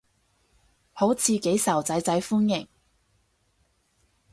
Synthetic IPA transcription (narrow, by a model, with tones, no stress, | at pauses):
ho˨˥wt͡sʰiː˨˧ke˨˥jsɐ˨˩wt͡sɐ˨˥jt͡sɐ˨˥jfuː˥njɪ˨˩ŋ